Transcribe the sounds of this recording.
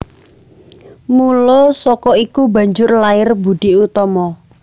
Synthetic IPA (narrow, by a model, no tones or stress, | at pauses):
mulɔsɔkɔikubä̤ɲd͡ʒʊrlaɪrbṳɖ̥iʔut̪ɔmɔ